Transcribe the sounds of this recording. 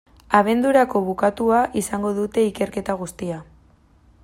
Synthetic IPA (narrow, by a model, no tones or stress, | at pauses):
aβ̞e̞nd̪uɾako̞βukat̪uaʔisaŋɡo̞ðut̪e̞ike̞ɾke̞t̪aɣ̞ust̪ia